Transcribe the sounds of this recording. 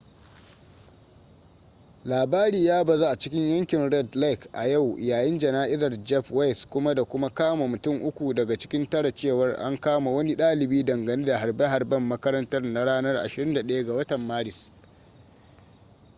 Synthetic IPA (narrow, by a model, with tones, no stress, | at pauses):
laː˨baː˦ɾiː˨jaː˦bɐ˨za˦ʔa˨t͡ʃɪ˦kʲɪ˦ɲjɐ˦ŋkʲɪ˨nɾɛ˦dla˦kʔa˨ja˦˨wʔjaː˨jɪ˦nd͡ʒɐ˨naː˦ʔɪ˦zɐ˨rd͡ʒɛ˦ɸwa˦jskʷʊ˦ma˦da˨kʷʊ˦ma˦kaː˦ma˨mʊ˨tʊ˦ŋʔʊ˦kʷu˨dɐ˨ɡa˨t͡ʃɪ̥˦kʲɪ˦ntɐ˦ɽa˨t͡ʃeː˦˨wɐ˦rʔa̰˦ŋkaː˦ma˨wɐ˦ni˦ɗaː˦lɪ˨biː˦dɐ˨ŋɡɐ˨neː˦da˨ɦa˨rbɐ˦ɦa˨rbɐ˦mːɐ˦kɐ˦ɾɐ˦ntɐ˦rna˦ɽaː˦nɐ˦rʔa̰˨ʃɪ˨ɾɪ˦nda˨ɗɐ˦ja˦ɡa˨wɐ˦tɐ˨mːaː˦ɽɪ˨s